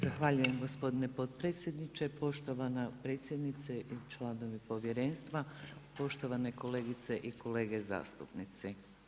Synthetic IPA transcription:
zaxʋaːʎuje̞mɡo̞spo̞d̪ine̞po̞d̪̚pɾet̪sʲje̞d̪nit͡ʃe̞po̞ʃt̪o̞ʋanapɾe̞ːt̪sjed̪nit̪seʔit͡ʃlˠano̞ʋipo̞ʋje̞ɾe̞ːnst̪ʋapo̞ʃt̪o̞ʋane̞ko̞le̞ːɡit̪se̞ʔikʰo̞le̞ːɡe̞za̰ːst̪upnit̪se

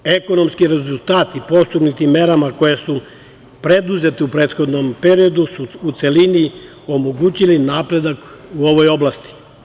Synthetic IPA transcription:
e̞ko̞no̞mskiɾezulˠt̪aːt̪ipo̞st̪uɡnit̪imːe̞ɾamako̞jesu | pɾe̞d̪uze̞t̪iupɾeːt̪xo̞d̪nompe̞ɾio̞d̪usuːt̪se̞lini | o̞moɡut͡ɕilinaːpɾe̞d̪akuo̞ʋo̞jo̞blˠast̪i̥

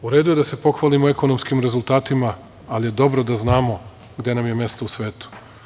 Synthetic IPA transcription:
uɾe̞ːd̪uje̞d̪ase̞po̞xʋalimoe̞ko̞nomskimɾe̞zulˠt̪aːt̪imaː | lije̞d̪o̞bɾo̞d̪aznaːmo̞ | ɡd̪je̞namjemje̞st̪o̞usʋe̞ːt̪u̥

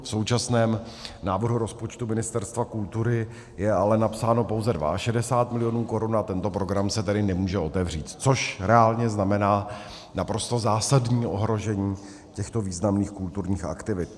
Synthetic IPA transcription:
fso̞wt͡ʃasnɛːm | naːvrɦuɾo̞spo̞t͡ʃt̪umɪnɪst̪ɛɾst̪vakult̪uɾɪ | jɛalɛnapsaːno̞po̞wzɛdva̰ʔaʃɛdɛsaːt̪mɪlɪjo̞nuːko̞ɾunat̪ɛnt̪o̞pɾo̞ɡɾamsɛt̪ɛdɪnɛmuːʒɛo̞t̪ɛvr̝iːt̪t͡so̞ʃɾɛaːlɲɛznamɛnaː | napɾo̞st̪o̞zaːsadɲiːo̞ɦɾo̞ʒɛɲiː | cɛxt̪o̞viːznamniːxkult̪uɾɲiːxa̰kt̪ɪvɪt̪̚

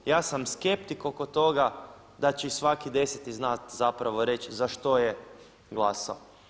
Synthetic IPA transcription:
jaːsamske̞pt̪ikokot̪o̞ɡa | d̪at͡ʃeisʋakid̪e̞set̪iznat̪zapɾaʋoɾe̞t͡ʃzaʃt̪o̞je | ɡlˠasao

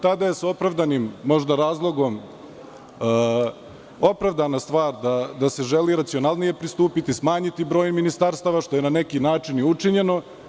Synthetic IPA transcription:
t̪ad̪aje̞sao̞pɾaʋd̪animːo̞ʒd̪aɾaːzlˠo̞ɡo̞m | o̞pɾaʋd̪anast̪ʋaːɾd̪ad̪ase̞ʒeliɾat̪sio̞nalˠnije̞pɾist̪uːpit̪ismaːɲit̪ibɾoːjminist̪aɾst̪aʋaʃt̪o̞je̞nane̞kinaːt͡ʂiniut͡ʂiɲe̞no̞

